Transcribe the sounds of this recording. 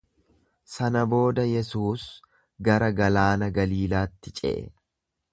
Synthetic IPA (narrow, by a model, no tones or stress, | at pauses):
sɐnɐbo̞ːd̪ɐjɛsuːs | ɡɐɾɐɡɐlaːnɐɡɐliːlaːt̪ːɪt͡ʃʼɛ̰ʔɛ̰